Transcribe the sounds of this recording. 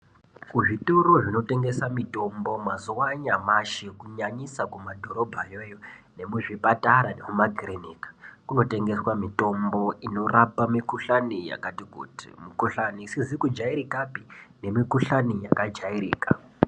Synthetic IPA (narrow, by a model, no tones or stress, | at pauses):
kuʐitoɾoʐino̞te̞ŋɡe̞samito̞mbo̞mazuwaɲamaʃikuɲaɲisakumadʱo̞ɾo̞bʱajojone̞muʐipataɾanemumaɡʱiɾenikḁkuno̞te̞ŋɡe̞swamito̞mbo̞ino̞rapamikuɬanija̰katikṵti̥̰mukuɬanisizikud͡ʒaiɾikapine̞mikuɬanijakad͡ʒaiɾḭːka